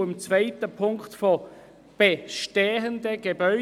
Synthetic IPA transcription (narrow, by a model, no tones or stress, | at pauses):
ɪmt͡svaɪtəpʰʊŋktfo | b̥eʃteːɦəndəɡ̥ebœʏ